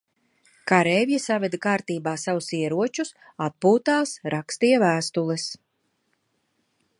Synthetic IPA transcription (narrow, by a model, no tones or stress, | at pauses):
kaɾɛvjasavɛd̪akaːɾt̪iːbaːsavusiɛɾuɔt͡ʃus | at̪̚puːt̪aːsɾakst̪ijɛvæːst̪ulˠis